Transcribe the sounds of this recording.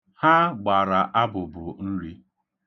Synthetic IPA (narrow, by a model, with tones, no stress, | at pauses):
ha˦ɡ͡ba˨ɾa˨ʔa˦bʊ˨bʊ˨n̩˦ɾi˦